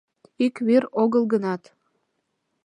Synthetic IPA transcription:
ikβeɾoɣəlˠɣənɑt̪

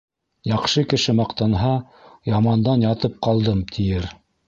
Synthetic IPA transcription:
jɑqʃɤkɘ̆ʃɘmɑqt̪ɑnɦɑ | jɑmɑnd̪ɑnjɑt̪ɤp̚qɑlˠd̪ɤmt̪ʰijɘɾ

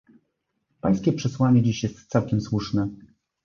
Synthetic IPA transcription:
pa̰j̃skʲɛpʂɛswaɲɛd͡ʑiɕjɛst̪t̪sawkʲɛmswuʂnɛ

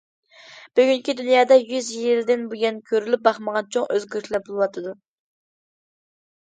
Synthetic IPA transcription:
b̥yɡʲyŋkʲid̪ynjɑːd̪ɑjyzjild̪ɪnbuɡʲɛnkʲʰøɾylyp̚bɑχməʁɑnt͡ʃʰoŋʔøzɡʲøɾt̪ʰlɛbolˠɨwɑt̪ʰɨd̪u

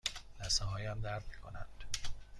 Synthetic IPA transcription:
læsɒɦɒːjæmd̪æɾd̪mikʰonænd̪̥

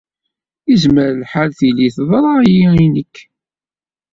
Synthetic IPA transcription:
izməɾlħalθiliθðˤɾˤjiinəkː

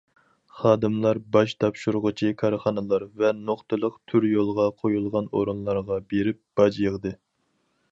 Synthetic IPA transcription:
χɑːd̪ɨmlˠɑɾbɑʃt̪ʰɑpʃuɾʁʊt͡ʃʰikʰɑɾχɑnɨlˠɑɾvɛnoχt̪ɨlˠəqt̪ʰyɾjolˠʁɑqʰojulˠʁɑnoɾunlˠɑɾʁɑbeɾɪp̚b̥ɑd͡ʒjəʁd̪ɨ

